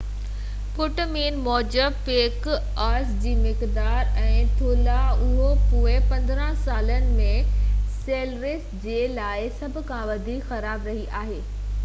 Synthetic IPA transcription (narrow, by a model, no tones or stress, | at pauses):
pʊʈmiːnmɔːd͡ʑəbpeːk | aːɾsd͡ʑiːmɪkd̪aːɾɛ̃ːt̪ʰoːlaʊɦopuːepɐ̃nd̪ɾə̃saːlənɪ̆mẽseːlʋɪsd͡ʑeːlaːɪsɐbʱʊ̆kʰãʋɐd̪ʱiːkxɐɾaːbɾɐɦiʔaːɦeː